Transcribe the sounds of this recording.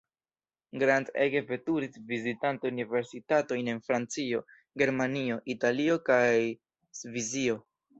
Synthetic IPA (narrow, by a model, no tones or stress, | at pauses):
ɡɾandeɡe̞ve̞tuɾisvizitantounive̞ɾsitato̞jne̞nfɾant͡sio̞ | ɡe̞ɾmanio̞ʔitalio̞kaj | svizio̞